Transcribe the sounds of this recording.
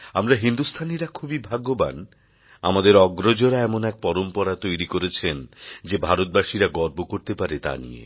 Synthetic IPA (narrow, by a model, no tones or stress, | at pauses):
amɾaɦind̪ust̪ʰaniɾakʰubibʱaɡːoban | amad̪eɾɔɡɾod͡ʑoɾaɛmonɛk̚pɔɾompɔɾat̪ojɾikoɾet͡ɕʰend͡ʑebʱaɾot̪̚baʃiɾaɡɔɾbokoɾt̪epaɾet̪a̰nḭḛ